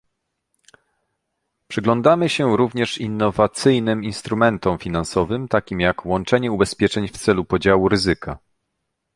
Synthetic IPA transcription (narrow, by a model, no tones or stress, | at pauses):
pʂɘɡlɔnd̪amɘɕɛɾuvɲɛʂinːɔvat̪sɘjnɘminst̪ɾumɛnt̪ɔmfʲinansɔvɘmt̪akʲimjakwɔnt͡ʂɛɲɛubɛspʲjɛt͡ʂɛɲft̪sɛlupɔd͡ʑawuɾɘzɘka